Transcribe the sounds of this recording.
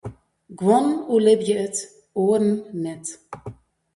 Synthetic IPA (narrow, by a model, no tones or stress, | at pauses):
ɡwɔnulɪbjəət | uəɾn̩ːɛt